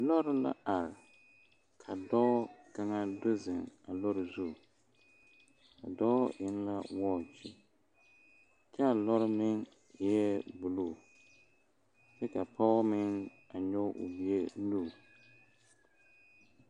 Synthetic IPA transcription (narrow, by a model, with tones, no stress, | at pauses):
lɔ˦ɾɪ˦la̰˦a˨ɾɪ˨ | kʰa˨dɔː˦ka˦ŋa˦dʊ˦zɪ˨ŋa˨lɔ˦ɾɪ˨zu˦˨ | ka˨dɔ˦ʔɪ˦nla̰˦wɔː˦˨t͡ʃɪ˨ | t͡ʃɛ˦a˨lɔ˦ɾɪ˦mɪ˦ŋ˨ | jɛ˦bʊ˨lu˦˨ | tɛ˦ka˨pʰɔ˦mɪ˦ŋ | a˨ɲɔ˦ʊ̰˨bi˨e˦nuː˦˨